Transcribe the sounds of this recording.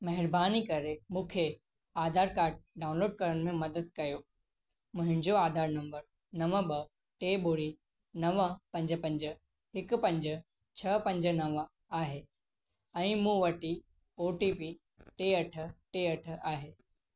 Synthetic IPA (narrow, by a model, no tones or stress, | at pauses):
mɐɦɪɾbaːnikɐɾemũːkʰe | aːd̪ʱaːɾkaːɾɖ̚ɖaːʊ̃nloːɖ̚kɐɾəɽ̃mẽmɐd̪əd̪̚kɐjo | mʊ̃ɦɪ̃nd͡ʑoaːd̪ʱaːɾnɐ̃mbəɾ | nɐʋəɓɐ | ʈeːɓoɾi | nɐʋəpɐ̃ɲd͡ʑəpɐ̃ɲd͡ʑə̆ | ɦɪkpɐ̃ɲd͡ʑə̆ | t͡ɕʰɐpɐ̃ɲd͡ʑə̆nɐʋ | aːɦe | ɛ̃ːmũːʋɐʈi | oːʈipi | ʈeɐʈ̆ʰʈeɐʈ̆ʰaːɦeː